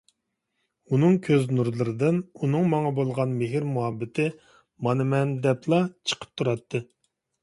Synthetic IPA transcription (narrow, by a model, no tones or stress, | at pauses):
unɨŋkʲʰøznuɾlˠɨɾɨd̪ɨnunɨŋmɑŋɑbolˠʁɑnmɪɦɪɾmuɦɑbːɪt̪ʰɪ | mɑnɨmɛnd̪ɛpʰlˠɑt͡ʃʰə̥qʰə̥p̚t̪ʰuɾɑt̪ʰːɨ